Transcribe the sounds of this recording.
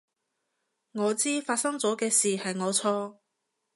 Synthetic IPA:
ŋɔː˨˧t͡siː˥faː˧t̚sɐ˥ŋt͡sɔː˨˥kɛː˧siː˨hɐ˨jŋɔː˨˧t͡sʰɔː˥

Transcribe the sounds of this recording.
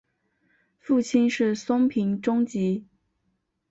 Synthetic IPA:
fu˥˩t͡ɕʰi˥nʂɻ̩˥˩sʊ˥ŋpʰi˧˥ŋʈ͡ʂʊ˥ŋt͡ɕi˧˥

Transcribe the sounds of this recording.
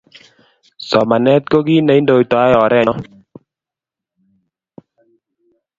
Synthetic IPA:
sɔ˨ma˨nɛ˦t̪̚ko˦ɡi˦na˨i˦ndo˨jt̪ɔ˨a˦jɔ˨ɾɛ˦˨ɔ˦

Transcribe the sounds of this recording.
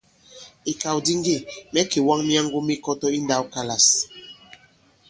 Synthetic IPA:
i˨ka˨wdi˦ŋɡe˦˨mɛ˦ke˨wa˦ŋmja˦ŋ˦ɡo˦mi˦kɔ˦tɔ˦i˦nda˦wka˦la˨s

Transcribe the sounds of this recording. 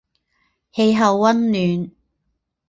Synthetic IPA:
he˧jɦɐ˨wːɐ˥nlyː˨˧n

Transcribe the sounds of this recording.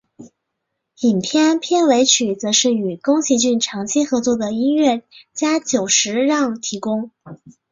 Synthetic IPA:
i˨˩npʰjɛ˥˧npʰjɛ˥˩nwe˧˥ɪt͡ɕʰy˨˩t͡sɤ˧˥ʂɻ̩˥˩y˨˩kʊ˥ŋt͡ɕʰi˧˥t͡ɕy˥˩nʈ͡ʂʰɑ˧˥ŋt͡ɕʰi˥xɤ˧˥t͡swɔ˥˩d̪ə˩i˥nɥɛ˥˩t͡ɕja˥t͡ɕjo˨˩ʊʂɻ̩˧˥ɻɑ˥˩ŋt̪ʰi˧˥kʊ˥ŋ

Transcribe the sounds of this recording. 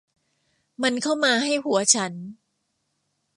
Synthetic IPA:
ma˧nkʰa˥˩wmaː˧ɦa˥˩jhu˩˦ɐt͡ɕʰa˦˥n

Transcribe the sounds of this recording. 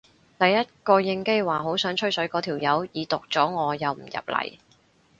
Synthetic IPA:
t̪ɐ˨jːɐ˥t̚kɔː˧jɪ˧ŋke˥jwaː˨ɦo˨˥wsœː˨˥ŋt͡ʃʰɵ˥ɥsɵ˨˥ɥkɔː˨˧t̪ʰiː˨˩wjɐ˨˥wjiː˨˧t̪ʊ˨k̚t͡sɔː˨˥ŋɔː˨˧jɐ˨wm̩˨˩jɐ̰˨p̚lɐ̰˨˩j

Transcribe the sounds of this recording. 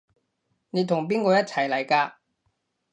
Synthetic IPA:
ne˨˧jt̪ʰʊ˨˩ŋp̬iː˥nkɔː˧jɐ˥t̚t͡sʰɐ˨˩jlɐ˨˩jkaː˧

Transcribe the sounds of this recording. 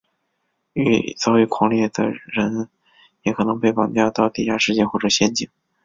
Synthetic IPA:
y̰˧˥˩t͡sɑ˥˧ʊy˧˥˩kʰwɑ˧˥ŋljɛ˥˩d̪ə̰˩ɻə˧˥n | jɛ˧˥kʰɤ˨˩nɤ˧˥ŋpe˥˩ɪpɑ̰˨˩ŋt͡ɕjɑ˥˧t̪ɑ˥˧ʊt̪i˥˩ja˥ʂɻ̩˥˧t͡ɕjɛ˥˧nxwɔ˥˩ʈ͡ʂɤ˨˩ɕjɛ˥nt͡ɕi˨˩˦

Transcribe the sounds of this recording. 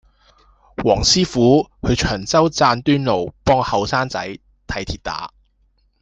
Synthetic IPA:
wɔː˨˩ŋsiː˥fuː˨˥hɵ˨˧ɥt͡ʃʰœː˨˩ŋt͡sɐ˥wt͡saː˧nt̪yː˥nlo˨wpɔː˥ŋhɐ˨˧wsaː˥nt͡sɐ̰˨˥j | t̪ʰɐ˨˧jt̪ʰiː˨˩t̚t̪a̰ː˨˥

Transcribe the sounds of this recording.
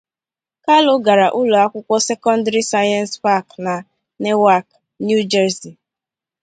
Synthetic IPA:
ka˦lʊ˦ɡa˨ɾa˨ʔʊ˦lo˨a˦kʷʊ˦kʷɔ˦se˦kɔ˦n˦da˦ɾi˦sa˦jɔ˦n˦spa˦kna˨ | ne˦wa˦˨k | nju˦d͡ʒɛ˦ɾzi˨

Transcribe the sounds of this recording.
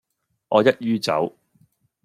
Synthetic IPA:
ʔɔː˨˧jɐ˥t̚jyː˥t͡sɐ̰˨˥w

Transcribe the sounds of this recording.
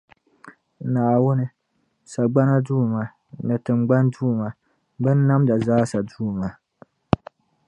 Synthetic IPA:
naː˨wʊ˦nɨ˨ | sa˨ɡ͡ba˦na˦duː˦˨ma˦ | nɨ˨tɨ˨mɡ͡ba˦nduː˦˨ma˨˦ | bɨ˦nː˦a˦mda˨zaː˦sa˨duː˦˨ma˨˦

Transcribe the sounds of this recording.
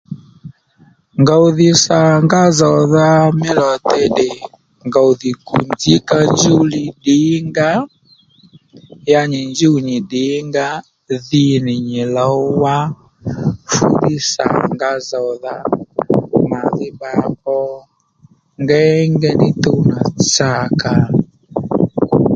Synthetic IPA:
ŋɡa˨u˨ði˦sa˨ŋɡa˦zɔ˨ða˦mi˦lɔ˨tɛ˦ɗɛ˨ | ŋɡa˨u˨ði˨ku˨nd͡zi˦ka˦nd͡ʒu˦li˨ɗi˨˦ŋɡa˦ | ja˦ɲi˨nd͡ʒu˦˨ɲi˨ɗi˨˦ŋɡa˦ | ði˦ni˨ɲɛ˨la˨˦wa˦ | fṵ˦ði˦sa̰˨ŋɡa˦zɔ˨ða˦ | ma˨ði˦ba˨kɔ˦ | ŋɡɛ˦ŋɡɛ˦ni˦t̪u˦˨na˨t͡sa˦˨ka˨

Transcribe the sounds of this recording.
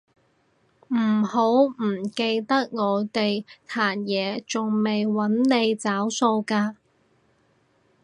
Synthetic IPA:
m̩˨˩ho˨˥wm̩˨˩ke˧jt̪ɐ˥k̚ŋɔː˨˧t̪e˨jt̪ʰaː˨˩njɛː˨˧t͡sʊ˨ŋme˨jwɐ˨˥nne˨˧jt͡saː˨˥wso˧wkaː˧

